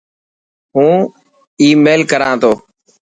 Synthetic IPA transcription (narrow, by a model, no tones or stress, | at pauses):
ɦũː | iːmeːlkəɾãːt̪ʰoː